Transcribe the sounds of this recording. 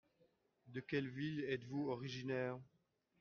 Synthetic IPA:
d̪əkʲɛlvilɛt̪vuɔʁiʒinɛːʁ

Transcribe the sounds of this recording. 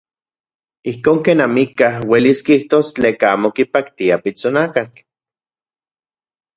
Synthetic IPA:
ihkoːŋkeːnamikahweliskiiht̪oːst͡ɬeːkaaːmokipakt̪iapit͡sonakat͡ɬ

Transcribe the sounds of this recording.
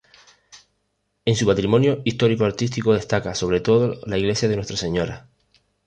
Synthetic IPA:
e̞nsupat̪ɾimõ̞njoist̪o̞ɾikoaɾt̪ist̪ikoð̞e̞st̪akaso̞β̞ɾe̞t̪o̞ðolaiɣle̞sjaðenwet̪ɾase̞ɲo̞ɾa

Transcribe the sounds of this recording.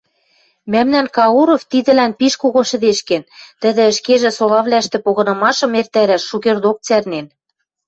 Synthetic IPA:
mæmnænkɑuɾoft̪id̪ɘ̆lænpiʃkoɣoʃɘ̆d̪eʃkent̪ə̆d̪ɘ̆ːʃkeʒĕsolɑβlæʃt̪ĕpoɣɤ̆nɤ̆mɑʃɤ̆mert̪æɾæʃʃukerd̪ok̚t͡særnen

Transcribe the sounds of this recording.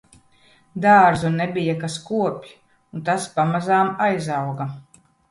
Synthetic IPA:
d̪aːɾzunːɛbʲijakaskuɔpʲi | unt̪aspamazaːmajzawɡa

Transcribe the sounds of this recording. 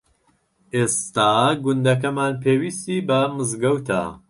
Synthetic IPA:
ʔest̪aːɡund̪ɐk̬ɐmaːnpʰeːwist̪iːbɐmɨzɡɐwt̪ʰa̰

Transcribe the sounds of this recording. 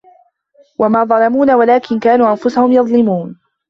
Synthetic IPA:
wamaːðˤɑlɑmuːnawalaːkɪnkaːnuːʔanfʊsahʊmjɑðˤlɪmuːn

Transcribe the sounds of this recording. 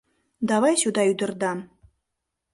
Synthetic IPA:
d̪ɑβɑjsud̪ɑyd̪ə̆rd̪ɑm

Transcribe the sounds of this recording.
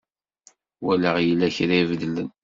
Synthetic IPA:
wælæʁjəlːæçɾaivðlən

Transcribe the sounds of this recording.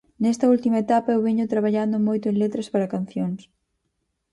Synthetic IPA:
nɛst̪ɐult̪imɐet̪apɐewβeɲʊt̪ɾaβ̞aʎand̪ʊmojt̪ʊẽŋlet̪ɾɐspaɾɐkanθjoŋs

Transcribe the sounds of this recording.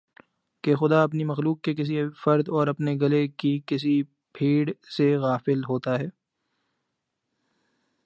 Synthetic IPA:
kexʊd̪aɐpnimɐxluːkːekɪs̬ifɐɾd̪ɔːɾɐpneɡɐlekikɪs̬i | pʰiːɽseɣaːfɪlɦoːt̪aɦɛː

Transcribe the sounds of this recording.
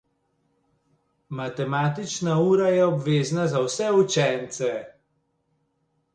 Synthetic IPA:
mat̪ɛmat̪it͡ʃnauːɾajɛɔbʋeːznazawsɛut͡ʃɛnt̪sɛ

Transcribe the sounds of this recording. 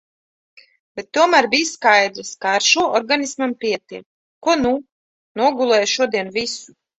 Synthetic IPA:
b̥et̪ːuɔmæːɾbʲijskajd̪ɾaskaːɾʃuɔʔɔɾɡanismampʲiɛt̪ik | kuɔnu | nuɔɡulˠɛːjʃuɔd̪iɛnvisu̥

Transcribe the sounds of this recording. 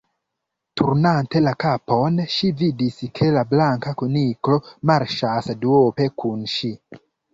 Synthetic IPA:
tʰuɾnante̞lakapo̞nʃividiskʰe̞lablaŋkakuniklo̞maɾʃasduope̞kunʃi

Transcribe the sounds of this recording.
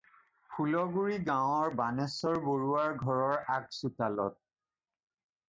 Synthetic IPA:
pʰulɔɡuɹiɡãwɔɹbanɛsɔɹboɹuaɹɡʱɔɹɔɹak̚sutalɔ̰t̚

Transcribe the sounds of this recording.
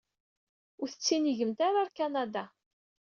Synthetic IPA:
ʊɾθə̥t͡sːiniʝəmt̪aɾaɾkanad̪a

